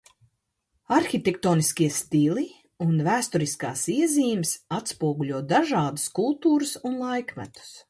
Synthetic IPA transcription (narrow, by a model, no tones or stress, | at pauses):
aɾxʲit̪ʲekt̪oːniskʲiɛst̪ili | unvæːst̪ɔɾiska̰ːsiɛziːmsat̪spuɔɡuʎʲuɔd̪aʒaːd̪u̥skulˠt̪uːɾɨsunlˠajkmæ̰t̪u̥s